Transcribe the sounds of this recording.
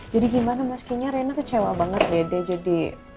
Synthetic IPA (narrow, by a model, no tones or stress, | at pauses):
d͡ʒadiɡimanamaskiɲaɾenakət͡ʃewabaŋət̪jadad͡ʒadi